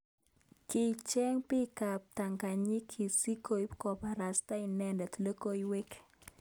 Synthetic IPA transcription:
kɪ˨t͡ʃɛ˦ŋpɪ˦ka˨p̚ta˨ŋka˨ɲi˦kʰi˨si˦ko˨i˦pkɔ˨pa˨ɾa˨sta˦i˨nɛ˦ndɛ˨t̪le˦ko˦jwe˦k

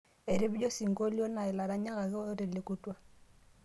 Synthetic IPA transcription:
e˨ɾe˦bi˦d͡ʒɔ˦si˨ŋɡo˦ljɔ˦na˨ɪ˨la˨ɾa˦ɲa˦ɣa˨ɣe˦ɾe˨le˨ku˦twa˦

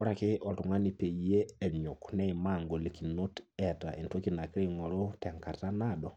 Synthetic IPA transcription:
ɔ˦ɾa˨kɪ˦ʔɔ˨ltu˨ŋa˦ni˨pe˨ie˦ɛ˨ɲu˨knɛ˦i˨ma˦˨ŋɡo˨li˨ki˨no˦tɛ˨ta̰˨ʔi˨nto˦ki˨na˨ki˦ɾe˦ŋɔ˨ɾo˦tɛ˨ŋka˨ta˦na˦˨dɔ˨

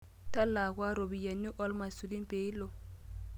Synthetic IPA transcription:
ta˦lːa˨kwa˦ɾo˨bi˨ja˨nːu˦ʔɔ˦lma˨su˨li˦m˦pe˨i˦lo˨

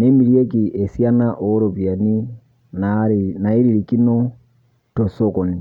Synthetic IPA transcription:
ne˦mi˨ɾje˦ki˨ʔe˨sja˦na˦ʔo˨˦ɾo˨βja˨ni˦ | nana˨i˦ɾi˨ɾiki˦no˦ | to˨so˦ko˨ni˨

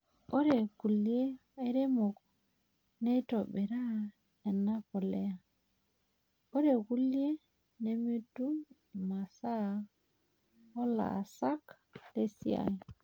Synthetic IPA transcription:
o˦ɾe˨ku˨lje˦e˦ɾe˦mo˨k | ne˦to˨ɓe˨ɾa˦ | e˨na˦po˨le˦a˨ | o˦ɾe˨ku˦lje˦ | ne˦me˦tu˦˨ | ma˨sa˦ | o˦la̰˨sa˦k | te˦sḭ˦a̰˨i˨

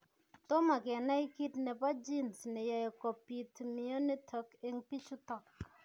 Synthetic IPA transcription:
to˦ma˨kɛ˨na˦i˦ki˦tnɛ˨pa˦d͡ʒi˦˨nsnɛ˨ja˨e˨ko˨pi˨tmi˨o˦ne˦tʰo˨˦ke˦ŋpi˦t͡ʃu˦tɔ˦˨k̚

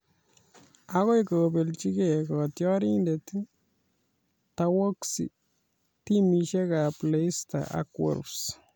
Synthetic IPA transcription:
a˦ko˦jko˨be˨lt͡ʃi˦ke˨kɔ˨tjɔ˦ɾi˦nde˨tu˦ | ta˧wo˦ksḭ˨ | ti˦mi˨ʃe˦ka˨ple˦sta̰˨a̰kwɔ̰˨ɾs

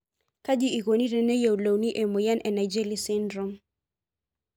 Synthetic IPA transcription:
ka˦d͡ʒi˦i˨ko˨ni˦ɾe˨ne˦jo˨u˨lo˨wni˦ʔe˨mo˨ja˦nʔɛ˨na˨jd͡ʒe˦li˦sɪ˦ndɾɔ˦m

